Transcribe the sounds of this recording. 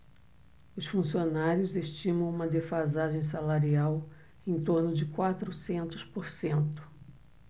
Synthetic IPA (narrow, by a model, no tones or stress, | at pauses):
ʊsfũsionaɾjʊzeʃt͡ʃĩmɐ̃w̃ũmɐd̪efazaʒẽj̃s̬alaɾiaw | ẽj̃t̪oɾnʊd͡ʒɪkwat̪ɾʊsẽnt̪ʊ̥spoɾsẽnt̪ʊ̥